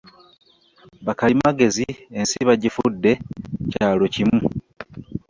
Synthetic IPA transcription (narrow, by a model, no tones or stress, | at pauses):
βakalimaɡe̞ziensiβaɟifudːe̞caːlo̞cimu